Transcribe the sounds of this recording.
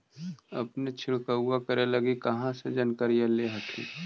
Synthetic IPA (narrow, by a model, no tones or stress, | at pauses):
ɐ̰pnet͡ʃʰɪɭkəʊakəɾelɐɡikɐɦãsed͡ʒɐnkəɾijaleɦəkʰḭ̃ː